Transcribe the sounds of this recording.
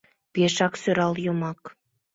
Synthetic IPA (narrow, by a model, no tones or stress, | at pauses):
peʃɑksøɾɑljomɑk